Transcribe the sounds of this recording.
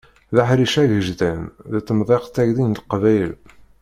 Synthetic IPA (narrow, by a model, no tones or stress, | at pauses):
ðaħɾiʃæʝəʒdænðæt͡sːəmðˤeqt̪ːæʝðinlqvæjəl